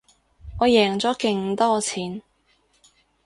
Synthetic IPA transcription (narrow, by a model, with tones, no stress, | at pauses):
ŋɔː˨˧jɛː˨˩ŋt͡sɔː˨˥kɪ˧ŋ˧t̪ɔː˥t͡sʰiː˨˥n